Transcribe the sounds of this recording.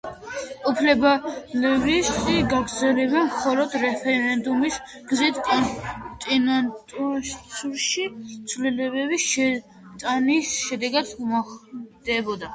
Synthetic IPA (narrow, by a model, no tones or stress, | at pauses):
upʰlɛbalɛvisʼiɡaɡɾd̪zɛlɛbɛnmχɔlɔd̪ɾɛpʰɛɾɛnd̪umis | ɡ̥zit̪ʰkʼt̪ʼinat̪ʼusuɾʃit̪sʰvlilɛbɛbisʃɛ | t̪ʼanisʃɛd̪ɛɡad̪umaχd̪̥ɛbɔd̪a